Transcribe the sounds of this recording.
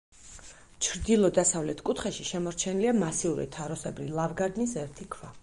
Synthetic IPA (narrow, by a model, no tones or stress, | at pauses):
t͡ʃʰɾd̪ilˠɔd̪asavlɛt̪ʰkʼut̪ʰχɛʃiʃɛmɔɾt͡ʃʰɛniliamasiuɾḭt̪ʰaɾɔsɛbɾḭlˠavɡaɾd̪nisɛɾt̪ʰikʰva